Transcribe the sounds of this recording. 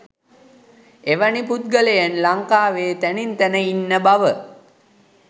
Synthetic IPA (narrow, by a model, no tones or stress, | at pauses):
eʋaniput̪̚ɡəlejenlaŋkaːʋeːt̪ænint̪ænəinːəbaʋə